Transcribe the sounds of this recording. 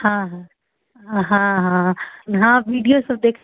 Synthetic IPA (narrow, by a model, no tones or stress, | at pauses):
hãɦã | ɦãɦãɦãʋiːɖijosɐb̚d̪eːkʰ